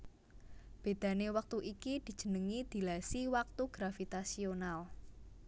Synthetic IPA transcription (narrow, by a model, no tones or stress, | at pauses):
b̥e̤d̪̥ä̤newak̚t̪uʔikid̪̥i̤̥ʒ̥ə̤nəŋid̪̥i̤lasiwak̚t̪uɡ̥ɾafit̪asional